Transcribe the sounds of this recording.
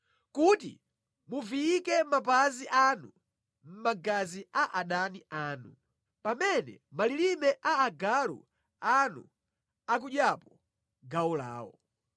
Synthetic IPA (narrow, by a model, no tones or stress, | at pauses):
kutḭ | muviːkɛmapaziʔanu | m̩maɡaziaʔaɗaniʔaːnu | pamɛnɛ̰malilimɛʔaːɡalṵ | anṵ | ak̬uɗjapɔ | ɡaula̰ːwɔ̰